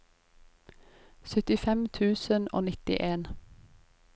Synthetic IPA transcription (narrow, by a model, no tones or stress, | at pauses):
sœt̪ɪfɛmt̪ʰʉːsəno̰ːnɪt̪ɪ̰ʔeːn